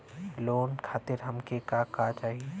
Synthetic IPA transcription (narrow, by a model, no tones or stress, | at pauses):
loːnkʰaːt̪ɪɾɦɐmkekakat͡ʃaːɦie